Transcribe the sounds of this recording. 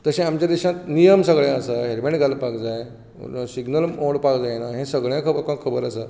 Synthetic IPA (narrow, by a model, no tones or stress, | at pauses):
t̪əɕẽamt͡ɕjad̪iɕãt̪nijəmsəɡɭjãəsaɦeɾmẽɳʈɡʱalpakd͡zaj | siɡnəloɽpakd͡zajnaɦẽsəɡɭjãkʰəbkãkʰːəbəɾəsa